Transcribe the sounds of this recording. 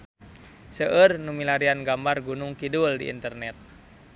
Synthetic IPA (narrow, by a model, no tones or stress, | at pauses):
səʔərnumilaɾianɡambarɡunʊŋkiduldḭʔḭnt̪ərnɛt̪̚